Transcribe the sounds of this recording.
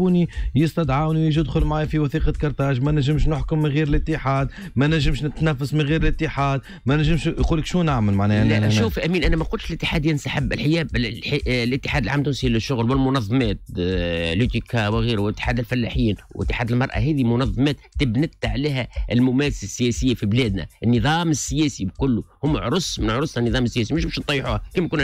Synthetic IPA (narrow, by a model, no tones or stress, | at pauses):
uːnijɪst̪ɑd̪ʕawniwjiʒd̪xʊlmʕaːjfiwɑθiːqɑkɑɾˤt̪ɑːʒmænæʒɪmʃnʊħkʊmːɪnɣiːɾɪlɪt̪ːəħaːd̪mænæʒɪmʃnɪt̪næfːasmɪnɣiːɾɪlɪt̪ːəħaːd̪ | mænæʒɪmʃquːləkʃuːnʔaʕməlmaʕnɛːlæʔʃuːfʔæmiːnʔænæmæqʊlt̪ʃɪlɪt̪ːɪ̥ħaːd̪jɪnsaħəbːɪ̰lħɪjɛːb | lɪt̪ːɪ̥ħaːd̪əlʕaːmt̪ːunsilɪʃːʊɣlwɪlmʊnɑðˤːɑmæːt̪̚ | lut̪ikʰawɪɣiːɾwʔɪt̪ːɪ̥ħaːd̪ɪlfælːaħiːnwʔɪ̰t̪ːɪ̥ħaːd̪əlmɑɾˤʔɑ̰ɦæːðimʊnɑðˤːɑmɛːt̪ːɪbnɪt̪ʕlæːɦæʔlmʊmæːθsasːɪjæːsɪjːafiblæːd̪næ̰ʔɪnːɨðˤɑːmɪsːɪjæːsibkʊlːuhʊmːʕɾˤʊsˤmɪnʕɾʊsˤhænːɨðˤɑːməsːɪjæːsimɪʃbæʃnt̪ˤːɑjːħuːhkimkun